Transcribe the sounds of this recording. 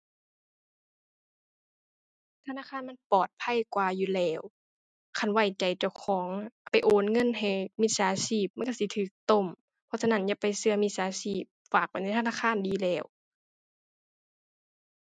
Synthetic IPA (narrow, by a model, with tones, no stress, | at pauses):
t̪ʰa˧naː˧˥˨kʰaː˧˥˨nma˧˥˨npɔː˨˩t̪̚pʰa˧˨jkwaː˧juː˧lɛː˧˩w | kʰa˧˩nwa˧˩jt͡ɕa˨˩jt͡ɕa˧˩wkʰɔː˨˦ŋpa˨jʔoː˨˦nŋɤ˧˥˨nɦa˨˩jmi˧t̪̚saː˨˧˦siː˧˩p̚ma˧˨˩ka˧˩si˧˦t̪ʰɯː˨˩k̚t̪o˧˩˨m | pʰɔ˧sa˧na˧˥˨nja˧˨pa˨jsɯ˧ɐmi˧t̪̚saː˨˦siː˧˩p̚faː˨˩k̚pa˨n˧˩t̪ʰa˧naː˧˥˩kʰaː˧˥˨ndiː˨˦lɛː˧˩w